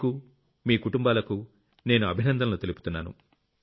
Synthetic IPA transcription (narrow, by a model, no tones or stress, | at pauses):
ku | miːkuʈumbaːlɐku | ne̞ːnuɐbʱinɐnd̪ɐmlut̪e̞luput̪unːaːnṵ